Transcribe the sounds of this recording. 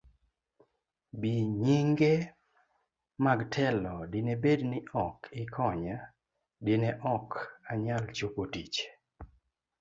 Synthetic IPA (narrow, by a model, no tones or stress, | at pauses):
biɲiŋɡe | maɡtʰɛlɔdɪnebednɪʔɔkʰɪkʰɔɲa | dɪnɛʔɔkaɲalt͡ʃokotit͡ʃ